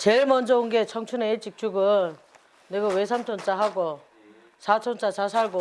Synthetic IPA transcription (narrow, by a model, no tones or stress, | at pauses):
t͡ɕeɭmʌnd͡ʑʌonɡe̞t͡ɕʰʌŋt͡ɕʰuneet͡ɕ͈ik̚t͡ɕ͈uɡɯn | neɡawesʰamtʰont͡ɕ͈aɦaɡo | sʰat͡ɕʰont͡ɕ͈at͡ɕasʰaɭɡo